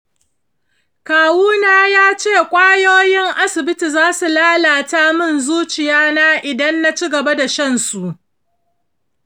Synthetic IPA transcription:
kaː˨wuː˦naː˦jaː˦t͡ʃeː˦˨kʷʼaː˦joː˦jɪ˦ŋʔa˦sɪ˨bɪ˦ti˨zaː˦su˨laː˦laː˨ta˦mɪ˦˨nzuː˦t͡ʃɪ˨jaː˦na˦ʔɪ˨dɐ˦nːa˦t͡ʃi˦ɡɐ˨ba˦da˨ʃɐ˦nsu˨ʔ

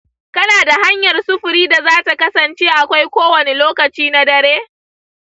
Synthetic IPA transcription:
kɐ˦naː˨da˨ha˦ɲjɐ˨rsʊ˦ɸʊ˨ɾiː˦da˨zaː˦ta˨kɐ˦sɐ˨nt͡ʃeː˦ʔa˨kʷa˦jkʷoː˦wɐ˨ne˦loː˦kɐ˨t͡ʃiː˦na˦dɐ˨ɾeː˦

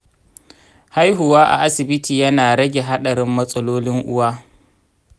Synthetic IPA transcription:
ha˦jɦʊ˨waː˦ʔa̰˨ʔa˦sɪ˨bɪ˦tiː˨jɐ˦naː˨ɾɐ˦ɡʲe˨ɦa˦ɗɐ˨ɾɪ˦mːɐ˦sʼɐ˦loː˦lɪ˦ŋʔʊ̰˦waː˦

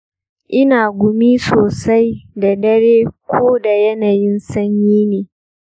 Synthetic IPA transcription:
ʔɪ˦naː˨ɡʷʊ˨miː˦soː˨sa˦jda˨dɐ˦ɾeː˦kʷʰoː˦da˨jɐ˦naː˨jɪ˦nsɐ˦ɲjiː˦neː˨

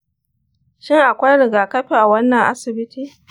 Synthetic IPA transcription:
ʃɪ˦ŋʔa˨kʷa˦jɽɪ˨ɡaː˨kɐ˦ɸi˨ʔa˨wɐ˦nːɐ˨ŋʔa̰˦sɪ˨bɪ˦tiː˦

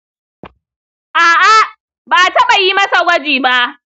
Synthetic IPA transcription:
ʔaː˨ʔa˦ | baː˨tɐ˦ɓa˨ji˦mɐ˦sa˨ɡʷɐ˦d͡ʒiː˨ba˦ʔ

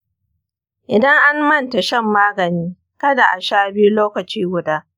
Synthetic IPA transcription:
ʔɪ˨dɐ˦ŋʔa˦mmɐ˦nta˨ʃɛ˦mːaː˦ɡɐ˨niː˦ | kɐ˦da˨ʔa˨ʃaː˦bɪ˦ju˦loː˦kɐ˨t͡ʃiː˦ɡʷʊ˦daː˦

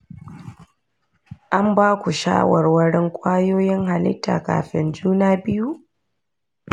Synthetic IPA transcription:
ʔa˦mbaː˦kʷu˨ʃa̰ː˦wɐ˨rwɐ˦ɽɪ˦ŋkʷʼaː˦joː˦jɪ˦ŋɦa˨lɪ̰˦tːa̰ː˨ka̰ː˨ɸɪ̰˨nd͡ʒuː˦naː˦bɪ˦ju˦

